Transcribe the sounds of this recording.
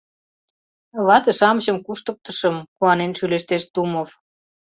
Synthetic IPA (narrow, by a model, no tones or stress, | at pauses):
βɑt̪ĕʃɑməɕɤ̆mkuʃt̪ɤ̆k̚t̪ə̆ʃɤ̆mkuɑnenʃyleʃt̪eʃt̪umof